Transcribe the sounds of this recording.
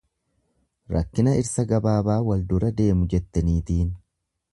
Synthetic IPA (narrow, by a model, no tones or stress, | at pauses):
ɾɐ̰kːɪnɐɪɾsɐɡɐbaːbaːwɐld̪ʊɾɐd̪e̞ːmʊd͡ʒɛt̪ːɐniːt̪iːn